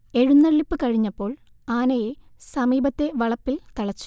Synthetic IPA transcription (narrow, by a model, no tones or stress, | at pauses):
e̞ɻunːɐɭːipːɨkɐɻiɲːɐpːo̞ːɭ | aːnɐjesɐmiːbɐt̪ːe̞ʋɐɭɐpːilt̪ɐɭɐt͡ɕːu̥